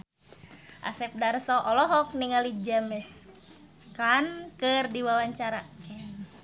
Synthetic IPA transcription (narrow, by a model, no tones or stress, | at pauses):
ʔa̰sɛp̚darsɔʔɔlɔɦɔk̚niŋalid͡ʒamɛs | kankɨrdiwawaɲt͡ʃaɾakɛ